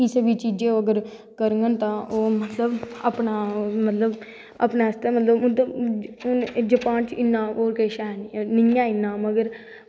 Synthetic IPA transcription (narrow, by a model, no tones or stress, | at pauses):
iːsəbiːt͡ʃiːd͡ʒẽːoːəɡəɾ | kəɾəŋɡənt̪ãːʔoːmət̪ləbə̰pnaːmət̪ləb | ə̰pnaːst̪eːmət̪ləbʊd̪ʊnd͡ʒəpaːnt͡ʃɪnːãːoːɾkeːʃaːnːnɪjãːɪnːãːməɡəɾ